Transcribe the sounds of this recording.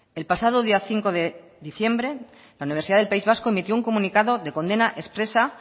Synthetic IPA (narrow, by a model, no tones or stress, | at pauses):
e̞lpasað̞o̞ðiaθiŋko̞ðe̞ | ðiθje̞mbɾe | launiβ̞esiðaðelpaizβaskoemit̪jouŋko̞mũnikaðo̞ðe̞ko̞nd̪e̞naʔe̞spɾe̞sa